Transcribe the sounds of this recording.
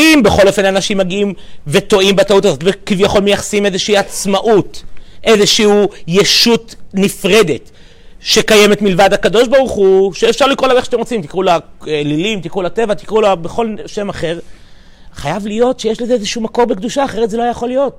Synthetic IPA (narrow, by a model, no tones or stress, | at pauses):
imbe̞χo̞lo̞fe̞nanaʃimːaɡiimve̞t̪o̞imbat̪aut̪azo̞tvekivjaχo̞lmejaχḁsimezeʃiːat͡smaʔut̪ʔe̞zeʃiujeʃutnifʁede̞t | ʃe̞kaje̞me̞t̪milvad̪hakad̪o̞ʃbaʁuχuʃeːfʃaʁlikʁolameʃḁtemʁot͡simt̪ikʁulalilimt̪ikʁulat̪e̞vat̪ikʁulabeχo̞lʃe̞maχe̞ʁ | χajavlijo̞tʃejeʃlezeezeʃuumako̞ʁbekd̪uʃaːχe̞ʁet̪zeloajajaχo̞lːijo̞t